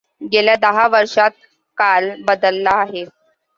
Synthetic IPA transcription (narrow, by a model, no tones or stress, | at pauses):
ɡeljad̪əɦaʋəɾʂat̪̚ | kalbəd̪əlːaːɦe